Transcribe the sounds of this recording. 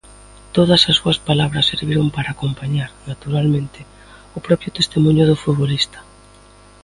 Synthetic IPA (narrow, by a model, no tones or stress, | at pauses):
t̪oðɐsɐsːuɐspalaβɾɐsːeɾβiɾompaɾaːkompaɲaɾnat̪uɾalmẽnt̪ɪ | ʊpɾɔpjʊt̪est̪emũɲʊðʊfut̪βolist̪ɐ̥